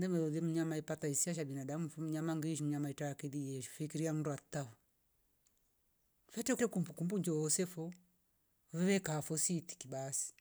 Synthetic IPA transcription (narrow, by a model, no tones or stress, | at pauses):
ndɛmɛðɔðiɛm̩ɲamaipataisiaʃ̬abinadamufum̩ɲamaŋɡiiʃ̬im̩ɲamaitajakɛðijɛʃu̥fikiɾiam̩nduat̪afɔ | fɛtɛkɛkumbukumbuɲd͡ʒɔɔsɛfɔ | vɛβɛkaːfɔsiti̥kibasi̥